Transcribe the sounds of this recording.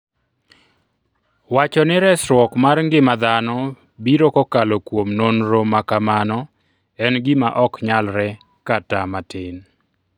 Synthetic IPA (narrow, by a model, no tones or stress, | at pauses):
wat͡ʃɔnɪɾɛsɾwɔkmarŋɡɪmad̪anɔ | biɾokɔkalokwomnonɾomakamanɔ | ɛnɡɪmaʔɔkɲalɾɛ | katamatɪn